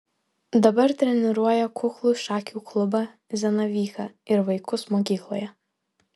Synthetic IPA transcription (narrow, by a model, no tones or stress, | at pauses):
d̪ɐbɐɾt̪ʲɾʲɛnʲɪɾuɔjɛkʰʊxlˠʊʃɑːkʲuklˠʊbɐ | zʲɛnɐʋʲiːxɐɪɾʋɐɪkʊsmɔk̬ʲiːklˠɔjɛ